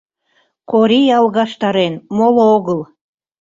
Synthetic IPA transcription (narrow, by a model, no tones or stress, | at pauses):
koɾijɑlˠɣɑʃt̪ɑɾenmolooɣəlˠ